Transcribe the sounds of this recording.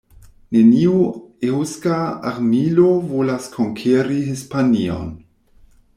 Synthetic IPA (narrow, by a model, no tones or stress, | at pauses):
neniuewskaa̰ɾmilovolaskʰoŋkʰeɾihispanio̰n